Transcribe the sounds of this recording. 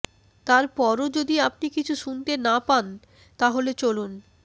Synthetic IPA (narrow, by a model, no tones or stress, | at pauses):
t̪aɾpɔɾod͡ʑod̪iap̚nikit͡ɕʰuʃunt̪enapan | t̪aɦolet͡ɕolun